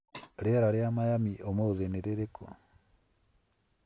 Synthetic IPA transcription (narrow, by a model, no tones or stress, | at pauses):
ɾeɛɾaɾeamajamiomooðeneɾeɾekʰɔ̰